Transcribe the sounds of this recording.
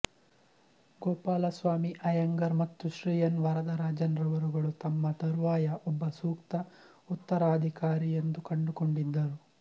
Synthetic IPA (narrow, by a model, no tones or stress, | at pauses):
ɡoːpaːlɐsʋaːmiʔɐjɐŋɡɐɾmɐt̪ːuʃɾiːjɐnʋɐɾɐd̪ɐɾaːd͡ʒɐnɾɐʋɐɾuɡɐɭut̪ɐmːɐt̪ɐɾʋaːjɐʔɔbːɐsuːkt̪ɐ | ut̪ːɐɾaːd̪ʱikaːɾijend̪ukɐɳɖukoɳɖid̪ːɐɾu